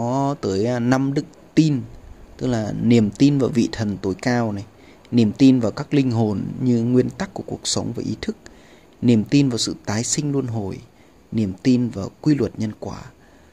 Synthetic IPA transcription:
ɔ˨˦t̪əː˨˦jna˧mɗɨ˦˥k̚t̪i˧nt̪ɨ˦˥k̚laː˨˩ni˨˩əmt̪i˧nvaː˨˩wvḭ˧˨t̪ʰə˨˩nt̪o˨˦jkaː˧wna˨˩j | ni˨˩əmt̪i˧nvaː˨˩wkaː˦˥k̚lï˧ŋ̟ɦo˨˩nɲɨ˧ŋwi˧ənt̪a˦˥kːu˧˩əku˨˩ək̚sə˨˦wŋ͡mvaː˨˩ʔi˨˦t̪ʰɨ˦˥k̚ | ni˨˩əmt̪i˧nvaː˨˩wsɨ̰˧˨t̪aː˨˦jsï˧ŋ̟lu˧ənɦo˨˩j | ni˨˩əmt̪i˧nvaː˨˩wkwi˧lwə˨˩t̚ɲə˧nkwaː˧˩

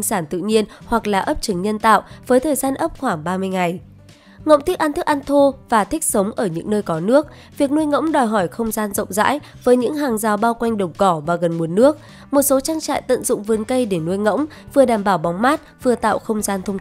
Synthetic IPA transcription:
ŋsaː˧˩nt̪ɨ̰˧˨ɲi˧ənhwa˨˩k̚laː˨˩ʔə˦˥p̚t͡ɕɨ˨˩˦ŋɲə˧nt̪a̰ː˧˨wvəː˨˦jt̪ʰəː˨˩jzaː˧nʔə˦˥p̚xwaː˧˩ŋɓaː˧mɨ˧əjŋa˨˩j | ŋə̰˧˥wŋ͡mt̪ʰi˦˥k̚ʔaː˧nt̪ʰɨ˦˥k̚ʔa˧nt̪ʰo˧vaː˨˩t̪ʰï˦˥k̟̚sə˨˦wŋ͡mʔəː˧˩ɲɨ̰˧˥ŋnəː˧jkɔ˨˦nɨ˦˥ək̚ | vi˨˩ək̚nu˧əjŋə̰˧˥wŋ͡mɗɔ˨˩jɦɔ˧˩jxə˧wŋ͡mzaː˧nzə̰˧˨wŋ͡mza̰ː˧˥j | vəː˨˦jɲɨ̰˧˥ŋɦaː˨˩ŋzaː˨˩wɓaː˧wkwa˧jŋ̟ɗə˨˩wŋ͡mkɔ˧˩vaː˨˩ɣə˨˩nmu˨˦ənːɨ˦˥ək̚ | mo˨˩t̚so˨˦t͡ɕaː˧ŋt͡ɕa̰ː˧˨jt̪ə̰˧˨nzʊ̰˧˨ŋ͡mvɨ˨˩˦nkə˧jɗe˧˩nu˧əjŋə̰˧˥wŋ͡m | vɨ˨˩əɗaː˧˩mɓaː˧˩wɓɔ˨˦wŋ͡mmaː˦˥t̚vɨ˨˩ət̪a̰ː˧˨wxə˧wŋ͡mzaː˧nt̪ʰə˧wŋ͡m

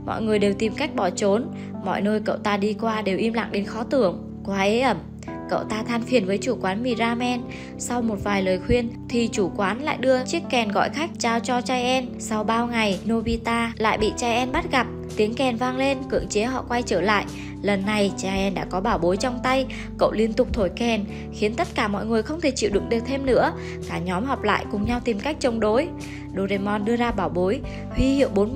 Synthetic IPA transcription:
mɔ̰˧˨jŋɨ˨˩əjɗe˨˩wt̪i˨˩mka˦˥jk̟̚ɓɔ˧˩t͡ɕo˨˦n | mɔ̰˧˨jnəː˧jkə̰˧˨wt̪aː˧ɗi˧kwaː˧ɗe˨˩wʔi˧mla̰ː˧˨ŋɗe˨˦nxɔ˨˦t̪ɨ˧˩əŋ | kwaː˨˦ʔe˨˦ʔə˧˩m | kə̰˧˨wt̪aː˧t̪ʰaː˧nfi˨˩ənvəː˨˦jt͡ɕu˧˩kwaː˨˦nmi˨˧˩zaː˧mɛ˧n | sa˧wmo˨˩t̚vaː˨˩jləː˨˩jxwi˧ənt̪ʰi˨˩t͡ɕu˧˩kwaː˨˦nla̰ː˧˨jɗɨ˧ət͡ɕi˦˥əkːɛ˨˩nɣɔ̰˧˨jxa˦˥jk̟̚t͡ɕaː˧wt͡ɕɔ˧t͡ɕaː˧jʔɛ˧n | sa˧wɓaː˧wŋa˨˩jno˧vi˧t̪aː˧la̰ː˧˨jɓḭ˧˨t͡ɕaː˧˩jʔɛ˧nɓa˦˥t̚ɣa˨˩p̚t̪i˨˦əŋkɛ˨˩nvaː˧ŋle˧nkɨ̰˧˨əŋt͡ɕe˨˦ɦɔ̰˧˨kwa˧jt͡ɕəː˧˩la̰ː˧˨jʔ | lə˨˩nːa˨˩jt͡ɕaː˧˩ʔɛ˧nɗa̰ː˧˥kɔ˨˦ɓaː˧˩wɓo˨˦jt͡ɕɔ˧wŋ͡mt̪a˧j | kə̰˧˨wli˧ənt̪ʊ˨˩k͡p̚t̪ʰo˧˩jkɛ˨˩n | xi˨˦ənt̪ə˦˥t̚kaː˧˩mɔ̰˧˨jŋɨ˨˩əjxə˧wŋ͡mt̪ʰe˧˩t͡ɕḭ˧˨wɗʊ̰˨˦ŋɗɨ˨˩ək̚t̪ʰe˧mnɨ̰˧˥ə | kaː˧˩ɲɔ˨˦mɦɔ˨˩wp̚la̰ː˧˨jkʊ˨˩ŋ͡mɲa˧wt̪i˨˩mka˦˥jk̚t͡ɕə˧˩wŋ͡mɗo˨˦j | ɗo˧˩ze˧mɔ˧nɗɨ˧əzaː˧ɓaː˧˩wɓo˨˦j | hwi˧hḭ˧˨əwɓo˨˦n

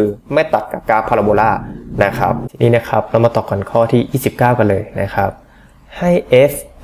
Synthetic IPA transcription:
kʰɯː˧ma˥˩jt̪a˨˩t̪̚ka˨˩p̚kaː˧˥pʰaː˧la˧boː˧laː˥˩na˦˥kʰa̰˦˥p̚ʰi˨niː˦˥na˦˥kʰa˦˥p̚la˧˦˥wmaː˧t̪ɔː˨˩kːɔ˨˩nkʰɔː˥˩t̪ʰiː˥˩ʔiː˥˩si˨˩p̚kaː˥˩wka˧nlɤː˧jna̰˦˥kʰa˦˥p̚ | ha˥˩jʔe˦˥s

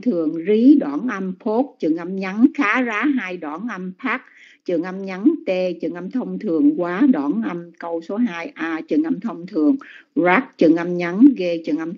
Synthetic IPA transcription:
t̪ʰɨ˨˩əŋzi˨˦ɗwaː˧˩nʔə˧mpʰo˦˥t̚t͡ɕɨ˨˩əŋʔa˧mɲa˨˦nxaː˨˦zaː˨˦ɦaː˧jɗwaː˧˩nʔə˧mpʰaː˦˥k̚t͡ɕɨ˨˩əŋʔa˧mɲa˨˦nt̪e˧t͡ɕɨ˨˩əŋʔa˧mt̪ʰə˧wŋ͡mt̪ʰɨ˨˩əŋkwaː˨˦ɗa˧˩nʔa˧mkə˧wso˨˦ɦaː˧jʔaː˧t͡ɕɨ˨˩ŋʔa˧mt̪ʰə˧wŋ͡mt̪ʰɨ˨˩əŋzaː˦˥k̚t͡ɕɨ̰˨˩ŋʔa˧mɲa˨˦nɣe˧t͡ɕɨ˨˩əŋʔa˧m

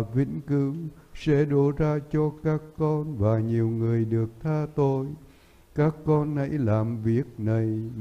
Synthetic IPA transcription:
vḭ˧˥ŋkɨ˨˦sɛ̰˧˥ɗo˨˦zaː˧t͡ɕɔ˧kaː˦˥kːɔ˧nvaː˨˩ɲi˨˩əwŋɨ˨˩əjɗɨ˨˩ək̚t̪ʰaː˧t̪o˧j | kaː˦˥kːɔ˧nhə̰˧˥jlaː˨˩mvi˨˩ək̚nə˨˩j

